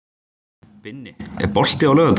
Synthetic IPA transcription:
pɪnːɪɛ̰ɾpɔl̥t̪ɪawlœːðʏt̪

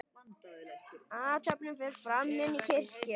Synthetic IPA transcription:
aːt̪ʰapnʏmfɛɾ̥fɾamːɪnːicʰɪr̥cɪ

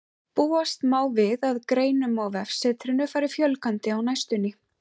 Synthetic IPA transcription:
puːast̪maːwvɪðaðkɾeːjnʏmaɣvɛfsɛt̪ʰɾɪnʏfaːɾɪfjœlkant̪ɪawnajst̪ʏnɪ

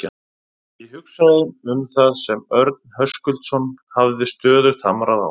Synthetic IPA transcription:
a | iɦʏksaɾðʏmʏmθaðsɛmœɾt̪̚nhœskʏlt̪sɔnhavðɪst̪œːðʏɾθamɾaða̰w

